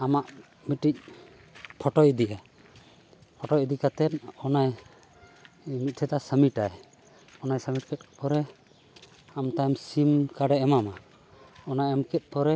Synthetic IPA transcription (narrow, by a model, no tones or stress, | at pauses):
amaʔ | miʈic̚ | pʰɔʈɔjd̪iʔɛ | pʰɔʈɔjd̪ikat̪ɛnɔnaj | mit̪̚ʈʰɛt̪asəmiʈaj | ɔnajsəmiʈ̚kʰɛt̪̚pɔɾɛ | amt̪ajmsimkaɖɛɛmama | ɔnajamkɛt̪̚ˀpɔɾɛ